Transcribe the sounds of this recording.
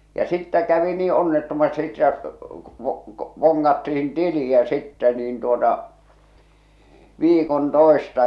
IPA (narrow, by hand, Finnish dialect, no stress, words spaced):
jɑ sitːæ kæʋi niː onːetːomɑsti etːæ ʋ̆ŏ k̆ŏ ʋoŋːɑtːihin tiliæ sitːɛ niːn tuotɑ ʋiːkon toˑestɑ